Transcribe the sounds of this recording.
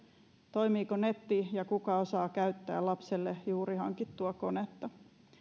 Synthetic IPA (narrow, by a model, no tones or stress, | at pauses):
t̪oimiːkonet̪ːijɑkukɑosɑːkæyt̪ːæ̰ːlɑpselːejuːɾihɑ̰ŋkit̪ːuɑkonet̪ːɑ